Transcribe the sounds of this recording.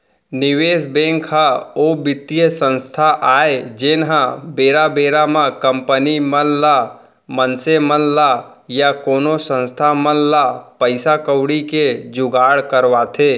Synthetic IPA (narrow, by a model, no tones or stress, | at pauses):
nɪweːsbɛ̃ŋkaobɪt̪ijəsə̃nst̪ʰaʔaːed͡ʒenɦãbeːɾabeɾamãkəmpənimənla | mənsemənla | jakoːnosə̃nst̪ʰamənlapəɪsakəwɽiked͡ʒʊɡaːɽkəɾʋat̪ʰe